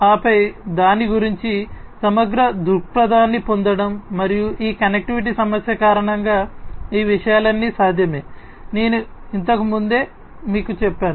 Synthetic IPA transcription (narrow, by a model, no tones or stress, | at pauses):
aːpɐjd̪aːniɡuɾiɲt͡ʃisɐmɐɡɾɐd̪uɾpɾɐd̪aːnːipo̞nd̪ɐɽɐmːɐɾijuʔiːkɐnek̚ʈiʋiʈ̬isɐmɐsjɐkaːɾɐɳɐŋɡaːiːʋiʂɐjaːlɐnːisaːd̪ʱjɐme̞ː | ne̞ːnuint̪ɐkumund̪e̞ː | miːkut͡ʃɛpːaːnu